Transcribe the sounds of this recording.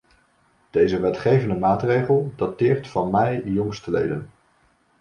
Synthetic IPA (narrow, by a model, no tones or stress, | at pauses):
d̥ejzəʋɛtχejvəndəmaːtrejχəlˠd̥ɑtɪːɹtfɑnmɛjjɔŋstəlḛjdən